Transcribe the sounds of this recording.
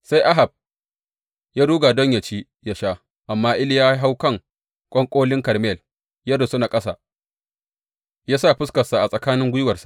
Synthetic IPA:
sa˦jʔa˦ɦa˨b̚ | jaː˦duː˦ɡa˨dɔ˦ɲja˨t͡ʃiː˦ | ja˦ʃaː˦ | ʔa˨mːaː˦ʔɪ˦ljaː˦ɦa˦wkɐ˦˨ŋ | kʷʼɔ˦ŋkʷʼoː˦lɪ˦ŋkɐ˨rme˦˨l | jɐ˦da˨sʊ˦naː˨kʼɐ˦sa̰˨ | jaː˦sa˦˨ɸʊ˦skɐ˨sa˨ʔa˨sʼɐ˨kaː˦nɪ˦ŋɡʷʊ˦jɪ˦wɐ˨rsa˨ʔ

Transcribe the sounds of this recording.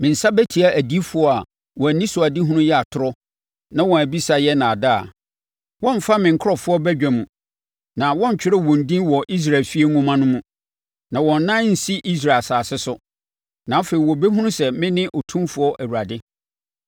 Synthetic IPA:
mɪ̃˨n̩˨sa˦bæ˦tʰi˨a˨ʔæ˨di˦fʊ˨˦ɔ˦a˨ | wɔ̃˨nĩ˦sʊ˨a˨di˦ɦũ˦nʊ̃˦jɛ˦a˨tʰʊ˨ɾɔ˦ | nã˦wɔ̃˨æ˨bi˦sa˨jɛ˦nã˨a˨da˦˨a̰˨ | wɔ̃˦m˨fa˦mɪ̃˨ŋ̩˨kʰʊ˦ɔ˨fʊ˦ɔ˦bæ˦d͡ʑᶣæ˨mũ˨ | nã˨wɔ̃˦ɲ˨t͡ɕᶣɪ˦ɾɛ˦wɔ̃˨n˨dĩ˦nwɔ˨ʔi˦s̬ɾa˨lfi˦e˦ŋũ˦mã˦nʊ̃˦mũ˦ | nã˨wɔ̃˨nː˦ã˦n̩˨si˦ʔi˦s̬ɾa˨lsaː˨sɪ˦sʊ˦ | nã˨˦fe˨ɾi˨wɔ˨be˦ɦũ˦nʊ̃˦sɛ˨mɪ̃˦nɪ̃˦ʔɔ˨tʰũ˦mfʊ˨˦ɔ˦ʔæ˨wu˨ɾa˨dɪ˦

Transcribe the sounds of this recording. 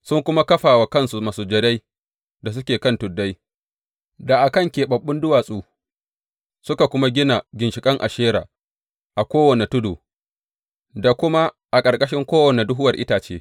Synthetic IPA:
sʊ˦ŋkʷʊ˦ma˦kɐ˦ɸaː˨wa˨kɐ˦nsu˨ma˨suː˨d͡ʒɐ˦da˦j | da˨s̬ʊ˦kʲeː˨kɐ˦ntʊ˨dːa˦j | da˨ʔa˨kɐ˦ŋkʲeː˨ɓɐ˨ɓːʊ˦ndʊ˦waː˨sʼuː˦˨ | sʊ˦ka˨kʷʊ˦ma˦ɡʲɪ˦na˨ɡʲɪ˨nʃɪ˨kʼɐ˦ŋʔa˨ʃeː˦ɾa̰ː˨ | ʔa˨kʷoː˦wɐ˨ne˨tʊ˦doː˨ | da˨kʷʊ˦ma˦ | ʔa˨kʼɐ˨rkʼɐ˦ʃɪ˦ŋkʷoː˦wɐ˨ne˨dʊ˦ɦʊ˦wɐ˨rʔɪ˦taː˨t͡ʃḛː˦

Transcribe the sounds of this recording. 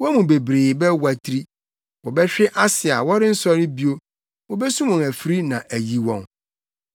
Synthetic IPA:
wɔ˦mũ˨be˨bɾeː˨bɛ˦wa˨tʰɾi˦ | wɔ˨bɛ˦ɕᶣɪ˦ʔa˦sɪ˨a̰˨wɔ˦ɾɪ˦n̩˦sɔ˦ɾɪ̃˦bi˦o˦ | wo˦bɛ˦sũ˦mʊ̃˨æ˨fɾi˦nã˨ʔæ˨ji˨wɔ̃˨n

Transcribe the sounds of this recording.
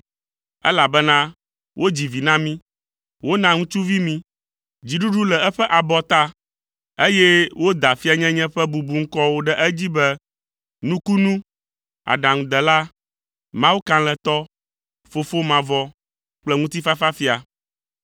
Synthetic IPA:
ɛ̰˦la˨bɛ˦nã˦ | wʔo˦d͡ʑi˨vi˨nã˦mĩ˦ | wʔo˦nã˨ŋũ˦t͡ʃu˦vi˦mĩ˦ | d͡ʑi˨ɖu˦ɖu˦lɛ˨ɛ˦ɸɛ˦ʔa˨bɔ˨t̪a˦ | e˦jɛ˦wo˦d̪a˨fi˦a˦ɲɛ̃˦ɲɛ̃˦ɸɛ˦bu˨bu˨ŋ̩˦kɔ˦wo˦ɖɛ˦ʔɛ˦d͡ʑi˦bɛ˦ | nũ˦ku˦nũ˦ | a̰˨ɖã˨ŋũ˨d̪ɛ˨la˦ | mã˦wu˦kã˦lɛ̃˨t̪ɔ˦ | fo˨fo˦mã˨vɔ˦ | k͡plɛ˦ŋũ˦t̪i˦fa˦fa˦fi˦a˨

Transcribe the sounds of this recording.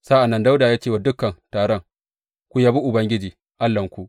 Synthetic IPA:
sa˦ʔa˨nːɐ˦nda˦wdaː˨jaː˦t͡ʃe˦wa˨dʊ˦kːɐ˨ntaː˨ɽɔ˦ŋ | kʷu˦jaː˦bi˦ʔʊ˨bɐ˦ŋɡʲɪ˦d͡ʒiː˨ | ʔa˦lːɐ˨ŋkʷu˦ʔ

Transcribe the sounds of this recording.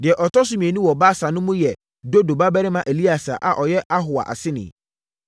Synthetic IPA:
dɪ˨ɛ˨ʔɔ˨tɔ˦s̬ʊ˦mĩ˨e˨nũ˦wɔ˨baː˦sa˨nʊ̃˦mũ˦jɛ˨ | do˦do˨ba˦bɛ˦ɾɪ˦mã˦ʔe˨li˦a˨sa̰˨ʔa̰˨ʔɔ˨jɛ˦ʔa˦ɦʊ˨a̰˨ʔa̰˨sɪ˦nɪ̰̃˨

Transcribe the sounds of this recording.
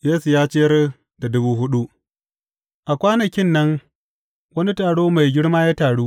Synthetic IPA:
jeː˦su˨jaː˦t͡ʃe˦jɐ˦r | da˨dʊ˦buː˦ɦʊ˦ɗu˦ʔ | ʔa˨kʷaː˦nɐ˨kʲɪ˦nːɐ˦ŋ | wɐ˦ni˦taː˨ɽoː˦ma˨jɡʲɪ˦ɽmaː˦jaː˦taː˨ɽuː˦ʔ

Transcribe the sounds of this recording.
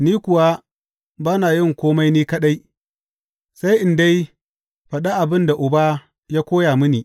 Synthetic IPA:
niː˦kʷʊ˨wa˦ | baː˦naː˨jɪ˦˨ŋkʷoː˦ma˦jniː˦kɐ˦ɗa˦j | sa˦jʔɪ˨nda˦j | ɸɐ˨ɗa˦ʔa˨bɪ˦nda˨ʔʊ˨ba˦ | jaː˦kʷoː˦jaː˨mʊ˦niː˨

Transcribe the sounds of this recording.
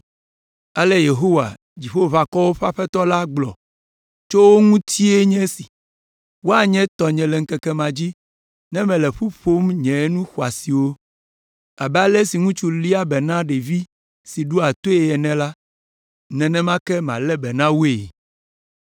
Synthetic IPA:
a˨lɛ˦je˨ɦo˦wa̰˨ | d͡ʑi˨ɸo˦va˨kɔ˦wo˦ɸa˦ɸɛ˦t̪ɔ˦la˦ɡ͡blɔ̰˨ | t͡ʃo˦wo˦ŋũ˦t̪ʰi˦e˦ɲɛ̃˦si̥˨ | wo˦a˨ɲɛ̃˦t̪ɔ˨ɲɛ̃˨lɛ˨ŋ̩˦kɛ˦kɛ˦mã˨d͡ʑi˦ | nɛ̃˦mɛ̃˨lɛ˨ɸu˦ɸo˦mɲɛ̃˨˦nũ˦xwa˨si˨wo˦ | a˨bɛ˦a˦lɛ˦si˨ŋũ˦t͡ʃu˦li˦a˦bɛ˨nã˦ɖe˨vi˦ | si˨ɖu˦a˨t̪o˦e˨ɛ˨nɛ̃˨la˦ | nɛ̃˨nɛ̃˦mã˦kɛ˦mã˨lɛ˦bɛ˨nã˦wu˦e˨

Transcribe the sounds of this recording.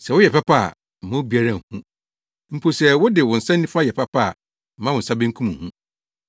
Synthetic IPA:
sɛ˨wʊ˦jɛ˨pʰa˦pʰa˦˨ | m̩˨mã˦bi˦a˦ɾã˦˨hũ˦ | m̩˨pʰo˨sɛ˨wʊ˦dɪ˨wʊ̃˨n̩˨sã˦nːĩ˦fa˦jɛ˨pʰa˦pʰa˦˨ | m̩˨ã˦wʊ̃˨n̩˨sa˦bɪ̃˦ŋkʰũ˦m̃˨hũ˦

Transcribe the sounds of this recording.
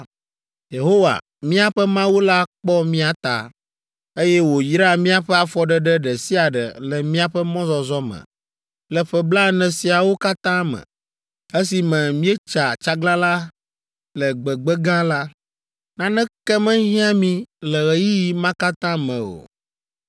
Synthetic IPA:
je˨ɦo˦wa̰˨ | mĩ˦a˨ɸɛ˦mã˦wo˦la˦k͡pɔ˦mĩ˦a˨t̪a̰˨ | e˦jɛ˦wo˨jɾa˦˨mĩ˦a˨ɸɛ˦a˨fɔ˨ɖɛ˦ɖɛ˦ɖɛ˨si˦a˨ɖɛ̰˨lɛ˨mĩ˦a˨ɸɛ˦mɔ̃˦zɔ˨zɔ˦mɛ̰̃˨ | lɛ˨ɸɛ˨bla˦nɛ̃˨si˨a˨wo˦ka˦t̪ã˦mɛ̰̃˨ | e˦si˨mɛ̃˨mĩ˦ɛ˦t͡ʃa˨t͡ʃa˦ɡlã˦la˦ | lɛ˨ɡ͡bɛ˨ɡ͡bɛ˦ɡã˦la˦ | nã˦nɛ̃˦kɛ˦mɛ̃˦ɲĩ˦ã˦mĩ˦lɛ˨ɣɛ˨ji˦ji˨mã˦ka˦t̪ã˦mɛ̃˨o̰˨

